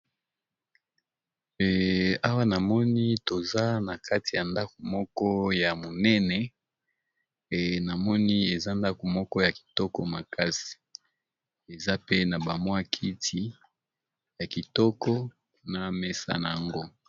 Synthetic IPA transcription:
a˦wa˦na˨mɔ˦ni˦to˨za˦na˨kʰa˦ti˨ja˨nda˦ko˨mɔ˦kɔ˦ja˨mo˨nɛ˦nɛ˨ | na˨mɔ˦ni˦e˨za˦nda˦ko˨mɔ˦kɔ˦ja˨ki̥˨tɔ˦kɔ˦ma˨ka˦si̥˨ | e˨za˦pe˦na˨ba˨mwa˦kʰi˦tʰi˦ | ja˨ki˨tɔ˦kɔ˦ | na˨mɛ˦sa̰˦na˨a˨ŋɡo˦

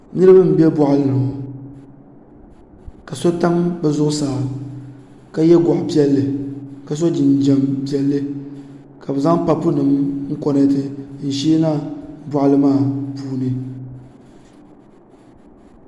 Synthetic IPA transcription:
nɨ˦ɾɨ˦ba˦m̩˨bɛ˦bɔ˨ʔa˦lɨ˦˨nɨ˨a˨ | ka˨so˦ta˦ŋbɛ˨zʊ˦ʔʊ˦saː˨˦˨ | ka˦jɛ˦ɡʷʊ˨ʔpi˦ɛ˦lːɨ˨ka˨s̬o˦d͡ʒɪ˨n˨d͡ʒɛ˨mpi˦ɛ˦lːɨ˦ | ka˨bɛ˨za˦ŋpa˨pːʊ˦nɨ˨mŋ̩˦kɔ˦nɛ˦tɨ˦n̩˨ʃiː˦na˦bɔ˨ʔa˦lɨ˦maː˦˨puː˦nɨ˨

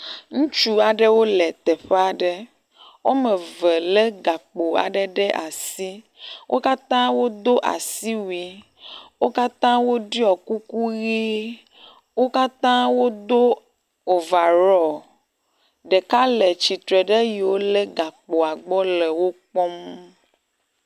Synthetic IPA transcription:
ŋũ˦t͡ʃu˦a˨ɖe˦wo˦lɛ˨t̪ɛ˨ɸe˦a˦ɖe˦ | wo˦me˨ve˨le˦ɡa˨k͡po˨a̰˨ɖe˦ɖe˦ʔa˨si˦ | wʔo˦ka˦t̪ã˦wo˦d̪o˦ʔa̰˨si˦wi˦ | wo˦ka˦t̪ã˦wo˦ɖi˦ɔ˨ku˦ku˦ɣi˦ | wo˦ka˦t̪ã˦wo˦d̪o˦ | o˨va˨ɾɔ˨ | ɖe˨ka˦le˨t͡ɕi˨t̪ɾe˨ɖe˦ji˨wo˦le˦ɡa˨k͡po˨a˨ɡ͡bɔ˦le˨wo˦k͡pɔ˦m

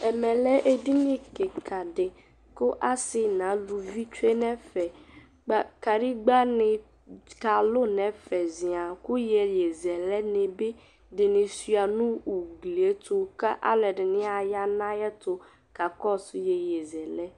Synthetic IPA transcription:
ɛ˨mɛ̃˨lɛ˦ʔe˦di˦nɪ̃˦kɪ˨kʰa˨dɪ˨ | kʊ˦ʔa˦sɪ˦nã˨˦lu˨vi˦t͡ʃe˦nɛ̃˦fɛ˨ | k͡pa˦ka˨ɾi˦ɡ͡ba˦nɪ̃˨ | ka˨lʊ˦nɛ̃˨˦fɛ˨zĩ˨a˨kʊ˦jɛ˨je˨zɛ˨lɛ˦nɪ̃˨be˦ | dɪ˨nɪ̃˨sɥa˨nʊ̃˦u˨ɡli˨e˦tʰʊ˦ka˦ʔa̰˦lɛ˨dɪ˨nɪ̃˦a˨ja˦nã˦jɛ˦t̪ʊ˨ | ka˨kɔ˦sʊ˦jɛ˨jɛ˨zɛ˨lɛ˦

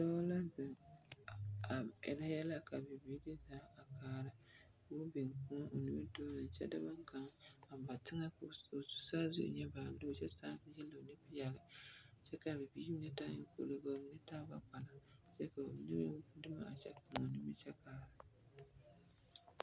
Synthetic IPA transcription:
dɔ˦la˦zɪ˨ŋ | a˨ɛ̰˨la˦jɛ˦la˦ka˨bɪ˨biː˦dɨ˦zaː˨˦a˨kaː˦ɾɨ˨ | ko˦bɪ˨ŋku˦ŋ˦ʔo˨nɪ˦mɛ˦do˦nɨ˨n̩˨t͡ʃɛ̰˦da˦ba˦ŋ˦ka˦ŋa˨m˨ba˨tɪ˦ŋa˦o˨su̥˦saː˦zʊ̰˦ʔɲɛ˦ba˨˦dɨ˦o˨t͡ʃɛ˦saː˦tjɛ˦lːo˨nɪ˦pi˦ja˨ɡɨ˨ | t͡ʃɛ˦ka˨bɪ˨bi˦ɲɛ˦ta˦ɲɪ˦ko̰˨lo˨ka˨˦nɨ˦taː˦ba̰˨k͡pa˨la˨ | t͡ʃɛ˦ka˨o̰˨nɪ˦m˦dɨ˦ma̰˨a˨t͡ʃɛ̰˦kʊ˨ŋo˨nɪ˦mɛ˦t͡ʃɛ˦kaː˦ɾɨ˨

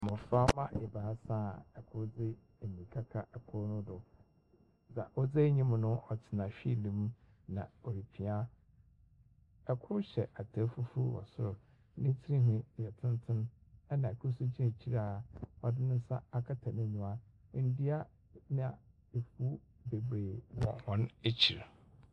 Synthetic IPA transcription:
mʊ̃˨fa˦mã˦ʔe˨ba˨a˦sã˦ɛ˨kʰʊ˦ɾd͡zɪ˦ | e˨mĩ˨kʰa˦kʰa˦ʔɛ˨kʰʊ˦ɾnʊ̃˦dʊ˨ | d͡za˨ʔɔ˦d͡ze˦ɲĩ˦mʊ̃˨nʊ̃˦ʔɔ˨tʰɪ˨nã˨ɕᶣi˦˨lĩ˦m˦ | nã̰˨o˨ɾi˨pʰi˨a˦ | ɛ˨kʰʊ˦ɕɛ˨ʔa˨tʰa˨˦fu˦fu˦wɔ̰˨sʊ˦ɾʊ˨˦ | nɪ̃˦tʰi˦ɾi˦ɦʊ̃˦˨jɛ˨tʰɪ̃˦n˦tʰɪ̃˦nɛ˦nã˨kʰʊ˦sʊ˦t͡ɕʰĩ˦˨t͡ɕʰi˦ɾaː˦˨ɔ˨dɪ˦nɪ̃˦n̩˦sa˦a˨kʰa˦tʰa˨nɪ̃˦ɲũ˨a˦n̩˨˦di˦a˦ | nɪ̃˦a˨ | e˨fu˦ | be˨bɾe˨nɔ̰̃˨hɔ̃˦ne˦t͡ɕʰi˨ɾ

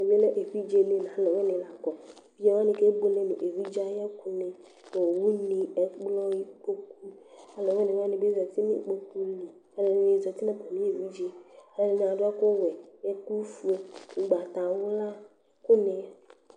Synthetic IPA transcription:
e˨be˦le˦ʔe˨ɸi˦d͡ʒe˦le˦˨nã˨˦lɔ˨we˦nẽ˨la˨kɔ˨ | fi˦d͡ʒɛ˦ma˦nẽ˨ke˦ɡ͡bo˦le˦nṵ̃˨ʔe˨vi˦d͡ʒa˦jɛ˦ku˦ne˨ | o˨wu˦nĩ˨ɛ˨k͡plɔ˦ji˦k͡po˦k̚u˦a˦lɔ˨ve˦nẽ˨wa˦nẽ˨be˦zɔ˨t̪i˦nḭ̃˨k͡po˦ku˦li˨ | ɛ˦le˨nũ˨e˨zɔ˨t̪i˦nẽ˦pɛ˨mĩ˦e˨vi˦d͡ʒe˦a˦le˨le˨nẽ˨a˨dʊ˦a˦ko˦wɛ˨e˦ku˦fu˦e˨u˨ɡ͡ba˨t̪a˨wo˦la˦ | ko˦nẽ˨

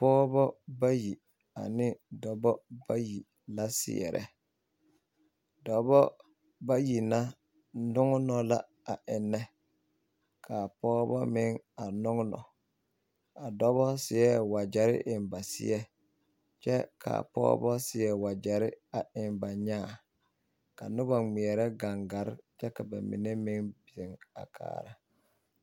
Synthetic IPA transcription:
pɔː˦bɔ˦ba˦ji˨ | a̰˨nɪ˦dɔ˨bɔ˦ba˦ji˨ | la˦sɪ̰˨ɛ̰˨ɾʔɛ̰˨ | dɔ˨bɔ˦ | ba˦ji˨na˦ | nʊ˦ŋ˦nɔ˨la̰˦ | a˨ʔɪ˨nːɛ˦ | kʰa˨pɔː˦bɔ˦mɪ˦ŋa˨nʊ˦ŋ˦nɔ̰˨ | a˨dɔ˦βɔ˦sɪ˨ɛ˦˨wa˨d͡ʒɛ˨ɾɪ̰˦ʔɪ˨nba˨sɪ̰˦ɛ˦ | t͡ʃɛ˦kʰa̰˨pɔ̰ː˦bɔ˦sɪ˨ɛ˨wa˨d͡ʒɛ˨ɾɪ˦a˨ɪ˨mba˨ɲaː˦˨ | ka̰˨nʊ˦bɔ˨ŋ͡mi˨ɛ˨ɾɛ˦ɡa˨ŋɡa˨˦ɾt͡ʃɛ˦ka˨ba̰˨mɪ̰˨nɛ˦mɪ˦ŋbɛ˨ŋa̰˨kʰa̰ː˦˨ɾa̰˦

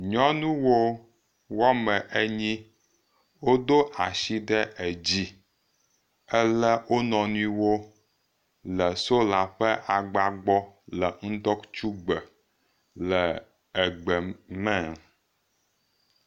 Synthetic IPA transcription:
ɲɔ̃˦nũ˦wo˦ | wa˦mə̃˨ʔe˦ɲĩ˦ | wo˦d̪o˦ʔa˨ʃi˦ɖɛ˦ʔɛ˨d͡ʑi˦ | ɛ˦lə˦wo˦nɔ̃˨nũ˦i˦wo˦ | lə˨so˦la˨ɸə˦ʔa˨ɡ͡ba˨ɡ͡bɔ˦lə˨ŋ̩˦d̪ɔ˦kt͡ʃu˦ɡ͡bə˨ | lə˨ | ə˨ɡ͡bə˨mɛ̃˦˨

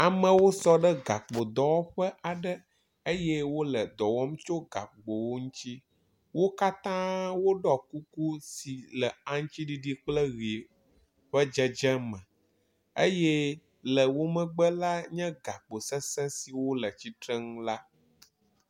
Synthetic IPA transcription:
a˨mə̃˨wo˦sɔ˦ɖə˦ɡa˨k͡po˨d̪ɔ˦wɔ˦ɸə˦ʔa˨ɖə˦ | e˦jɛ˦wo˦lə˨d̪ɔ˨wɔ˦m˦t͡ʃo˦ɡa̰˨k͡pɡ͡bo˨wo˦ŋũ˦t͡ɕi˦ | wo˦ka˦t̪ã˦wo˦ɖɔ˦ku˦ku˦si˨lə˨a˦ŋ̩˦t͡ɕi˦ɖi˦ɖi˦k͡plə˦ɣi˨ | ɸə˦d͡ʒɛ˦d͡ʒɛ˦mə̃˨ | e˦jɛ˦ | lə˨wo˦mə̃˦ɡ͡bə˦la˦ɲɛ̃˦ɡa˨k͡po˨sɛ˦sɛ̃˦si˨wo˦lə˨t͡ɕi˦t̪ɾɛ˦ŋ̃˦la˦

